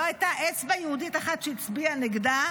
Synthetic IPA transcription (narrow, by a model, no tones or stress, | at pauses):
ajtaʔesvajehudit̪aχat̪ʃeit͡sbianeɡda